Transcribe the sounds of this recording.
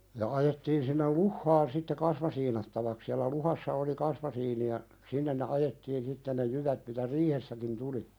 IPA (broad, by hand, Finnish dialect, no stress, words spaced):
jɑ ɑjetːiːn sinːel luhːɑːn sitːe kɑsmɑsiːnɑtːɑʋɑk siɑlæ luhɑsːɑ oli kɑsmɑsiːni jɑ sinːen ne ɑjetːiːn sitːe ne jyʋæt mitæ riːhesːækin tuli